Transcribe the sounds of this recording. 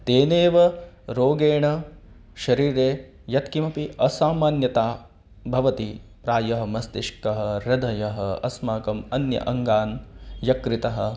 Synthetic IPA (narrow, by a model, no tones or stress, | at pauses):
t̪eːneːʋɐ | ɾoːɡeːɳɐ | ʃɐɾiːɾeː | jɐt̪kimɐpiʔɐsaːmaːnjɐt̪aː | bʱɐʋɐt̪ipɾaːjɐɦɐ̆mɐst̪ɪʃkɐɦɐɾɐd̪ʱɐjɐɦɐɐ̰smaːkɐmɐnjɐ̰ʔɐŋɡaːnjɐkɾit̪ɐɦɐ̆